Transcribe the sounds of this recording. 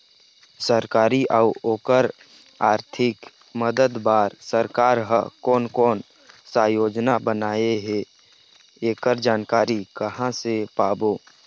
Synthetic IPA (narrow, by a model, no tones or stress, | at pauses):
səɾkaːɾiʔauoːkəɾ | aːɾt̪ʰɪk | məd̪əd̪baːɾsəɾkaːɾɦəkɔːnkɔːn | sãːjoːd͡ʒnabənaːeɦe | eːkəɾd͡ʒaːnkaːɾikəhãsepaːboː